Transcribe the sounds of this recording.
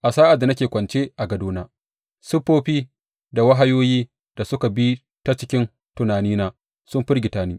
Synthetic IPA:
ʔa˨saː˦ʔa˨dːa˨nɐ˦kʲeː˨kʷɐ˨nt͡ʃeː˦ʔa˨ɡɐ˨doː˦naː˦ | sʊ˦ɸːoː˦ɸiː˦ | da˨wa˦ɦa˦joː˦jiː˦ | d̥a˨sʊ˦ka˨bi˦ | ta˦t͡ʃɪ˦kʲɪ˦n | tʊ˨naː˨niː˦naː˦ | sʊ˦mɸɪ˦rɡʲɪ˨taː˦niː˦

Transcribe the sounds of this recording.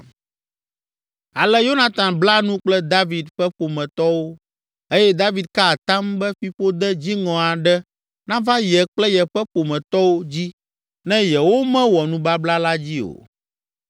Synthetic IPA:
a˨lɛ˦jo˦nã˨t̪ã˨nbla˦nũ˦k͡plɛ˦d̪a˦vi˨d̪ɸɛ˦ɸo˨mɛ̃˨t̪ɔ˦wo˦ | e˦jɛ˦d̪a˦vi˨d̪̚ka˦˨t̪ã˦mbɛ˦ɸi˦ɸo˦d̪ɛ˦d͡ʑi˦ŋɔ̃˨a˨ɖɛ˦ | nã˦va˦jɛ˨k͡plɛ˦jɛ˨ɸɛ˦ɸo˨mɛ̃˨t̪ɔ˦wo˦d͡ʑi˦ | nɛ̃˦jɛ˨wo˦mɛ̃˦wɔ˨nũ˦ba˦bla˦la˦d͡ʑi˦o̰˨

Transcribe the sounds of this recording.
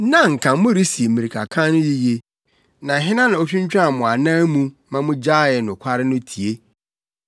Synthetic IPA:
nã˦ŋ̩˨kʰã˨mʊ̃˦ɾi˦si˨e˨mĩ˨ɾi˨kʰa̰˨kʰã˦nʊ̃˦ji˦je˨ | nã˨ɦɪ̃˦nã˦nã˨o˦t͡ɕʰᶣʊ̃˦ɲ˦t͡ɕᶣã˦˨mʊ̃˨a˨nãː˦mũ˦mã˦mʊ̃˦d͡ʑaː˦˨jɛ˨nʊ̃˨kʷʰa˦ɾɪ˦nʊ̃˦tʰi˨e˦

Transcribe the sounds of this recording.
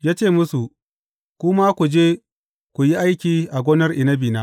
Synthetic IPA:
jaː˦t͡ʃeː˦˨mʊ˦su˨ | kʷʊ˦ma˦kʷu˨d͡ʒeː˦ | kʷu˨ji˦ʔa˦jkʲiː˨ʔa˨ɡʷoː˦nɐ˦rʔɪ˨nɐ˦biː˨naː˦

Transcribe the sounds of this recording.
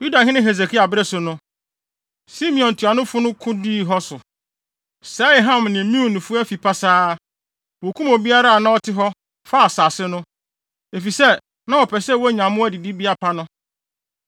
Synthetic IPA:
ju˦da˨ɦɪ̃˦nɪ̃˦ɦe˨z̬e˨kʰi˦a˨bɾɛ˦sʊ˨nʊ̃˦ | si˦mĩ˨ɔ̃˨ntʰu˨a˨nʊ̃˦fʊ˦nʊ̃˦kʰʊ̃˦di˦˨ɦɔ˦sʊ˨ | sɛ˦˨ɦã˦˨mnɪ̃˨mĩ˦u˨nʊ̃˨fʊ˦æ˦fi˨pʰa˦saː˦ | wo˨kʰũ˦mɔ̃˨bi˦a˦ɾa˦a˨nã˦ɔ˦tʰɪ˦ɦɔ˦ | fa˦˨saː˨sɪ˦nʊ̃˦ | e˨fi˨sɛ˦ | nã˦ɔ˨pʰɛ˨sɛ˦˨wɔ˦ɲã˨mʊ̃˦æ˦di˨di˦bi˦a˦pʰa˦nʊ̃˦

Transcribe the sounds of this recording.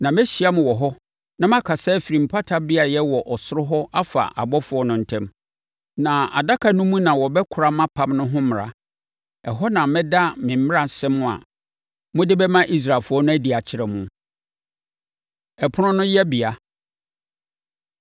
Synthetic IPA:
nã˨mɛ˦ɕi˨a˦mʊ̃˨wɔ˨ɦɔ˦ | nã˦mã˦kʰa˨sɛː˦fi˨ɾĩ˨m̩˨pʰa˦tʰa˦bi˦a˨jɛ˦wɔ˨ʔɔ˨sʊ˦ɾʊ˦ɦɔ˦ʔa˦fa̰˨ʔa̰˨bɔ˦fʊ˨˦ɔ˦nʊ̃˨n̩˨tʰɛ̃˦m | nã˨a̰˨da˦kʰa˨nũ˦mũ˦nã˨wɔ˨bɛ˦kʰʊ˨ɾa˦mã˦pʰã˦mnʊ̃˦ɦʊ̃˦mɪ̃˨ɾa̰˨ | ɛ˨ɦɔ˦nã˨mɛ̃˦da˦mɪ̃˨m̩˦ɪ̃˦a˨sɛ̃˦mʊ̃˦˨a̰˨ | mʊ̃˦dɪ˦bɛ˦mã˦ʔi˦s̬ɾa˨fʊ˨˦ɔ˦nʊ̃˦æ˦di˨a˨t͡ɕʰɪ˨ɾɛ˨mũ˦ | ɛ˨pʰʊ˦nʊ̃˦nʊ̃˦jɛ˦bi˨a˨

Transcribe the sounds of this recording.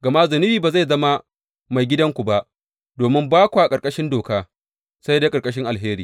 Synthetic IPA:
ɡɐ˨ma˦zʊ˨nɪ˦iː˨baː˨za˦˨jzɐ˦ma˦ | ma˨jɡʲɪ˦dɐ˦ŋkʷu˨ba˦ʔ | doː˨mɪ˦mbaː˦kʷu˨ʔa˨kʼɐ˨ɾkʼɐ˦ʃɪ˦ndoː˨kaː˦ | sa˦jda˦kʼɐ˨ɾkʼɐ˦ʃ̬ɪ˦ŋʔa˨lɦeː˦ɾiː˨

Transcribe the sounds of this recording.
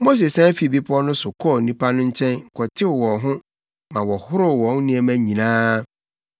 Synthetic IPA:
mo˦s̬e˨sã˦fi˨bi˦pʰʊ˦ɔ˦nʊ̃˦sʊ˨kʰɔ˦˨nĩ˦pʰa˦nʊ̃˦ɲ̩˦t͡ɕʰɛ̃˦n˨kʰɔ˨tʰɪ˦˨wɔ̃˨ɦʊ̃˦ | mã˨wɔ˨hʊ˦ɾʊ˨wɔ̃˨˦n˦nɪ̃˦ɛ˨mæ̃˦ɲĩ˨nãː˦

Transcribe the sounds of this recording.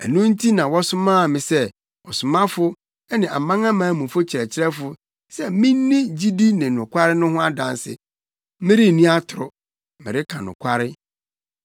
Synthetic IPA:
æ̰˨nũ˦n̩˦tʰi˦nã˨wɔ˦sʊ˦mãː˦˨mɪ̃˨sɛ˦ | ɔ˨sʊ˨mã˦fʊ˦ | ɛ˦nɪ̃˨ʔa˨mã˦ŋã˦mãː˨˦mũ˨fʊ˦t͡ɕʰɪ˨ɾɛ˨t͡ɕʰɪ˦ɾɛ˦fʊ˦ | sɛ˦mĩ˦nːɪ̃˦d͡ʑi˦di˦nɪ̃˨nʊ̃˨kʷa˦ɾɪ˦nʊ̃˦hʊ̃˦a˦dã˨nsɪ̰˨ | mɪ̃˦ɾi˦˨nĩ˦a˦tʰʊ˨ɾʊ˨ | mɪ̰̃˨ɾɪ˦kʰã˨nʊ̰̃˨kʷʰa˦ɾɪ˦

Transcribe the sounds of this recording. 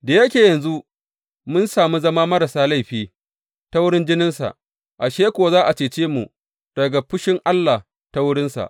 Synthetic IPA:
da˨jɐ˦kʲeː˨jɐ˨nzu˦ʔ | mʊ˦nsaː˨mu˦zɐ˦maː˦mɐ˦ɾa˨saː˦la˦˨ɸiː˦˨ | ta˦wʊ˦ɽɪ˦nd͡ʒɪ˦nɪ˦nsa̰˨ʔ | ʔa˨ʃeː˦kʷoː˨zaː˦ʔa˨t͡ʃeː˨t͡ʃeː˦mu˨ | d̥ɐ˨ɡa˨ɸʊ˦ʃɪ˦ŋʔa˦lːa˨ | ta˦wʊ˦ɽɪ˦nsa̰˨ʔ

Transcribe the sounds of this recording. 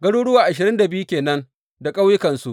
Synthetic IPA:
ɡɐ˦ɽoː˦ɽʊ˦waː˨ʔa˨ʃɪ˨ɾɪ˦nda˨bɪ˦ju˦kʲeː˨nɐ˦n | da˨kʼa˦wjɪ˦kɐ˨nsu˦ʔ

